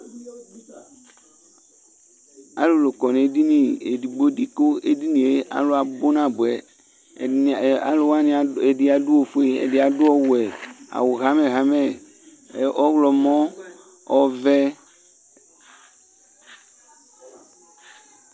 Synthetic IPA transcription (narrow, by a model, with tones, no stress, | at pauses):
a̰˨lo˨lo˨kɔ˨nẽ˨˦di˦nĩ˨e˨di˨ɡ͡bo˦di˦ko˦e˦di˦nĩ˨e˦ʔa̰˨lo˦a˨bo˦nã˦˨bo˨ɛ˨ | a̰˨lo˦wa˦nĩ˨e˨di˦a˨du˦wo˨fo˦e˦ḛ˨di˨a˨do˦ɔ˦wo˨ɛ˨a̰˨wo˨ɣa˦mɛ̃˨ɣa˦mɛ˨˦ | ɔ˦wlɔ˨mɔ̃˦ | ɔ˦vɛ˦